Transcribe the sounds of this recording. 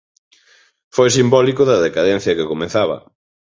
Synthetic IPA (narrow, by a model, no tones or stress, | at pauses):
fojsimbɔlikʊðɐðekaðɛn̟θjɐkekomeθaβɐ̰